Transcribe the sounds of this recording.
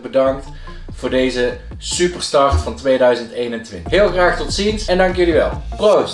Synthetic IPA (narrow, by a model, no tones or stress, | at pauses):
bədɑŋkt | vʊːɹdejzə | sypəɹstɑrtfɑntʋejdœɥzəntejnɛntʋɪntɦɪːlˠxraːxtɔtsinsɛndɑŋkjɵliʋɛlˠprows